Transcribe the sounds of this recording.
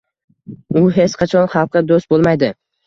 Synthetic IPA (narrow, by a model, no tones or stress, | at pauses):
ʊɦe̞t͡ʃqʰɑt͡ʃʰɒnχɑlˠqʰːɨd̪ost̪̚bolˠmajd̪ɪ